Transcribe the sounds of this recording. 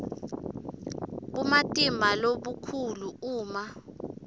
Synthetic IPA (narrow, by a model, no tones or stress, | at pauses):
ɓumatʼimbʱaloɓukʰuluuːma